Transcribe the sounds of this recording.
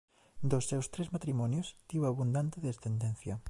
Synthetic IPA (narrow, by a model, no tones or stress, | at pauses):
d̪osːewst̪ɾezmat̪ɾimɔnjost̪iwaβund̪ant̪eðest̪end̪ẽn̟θjɐ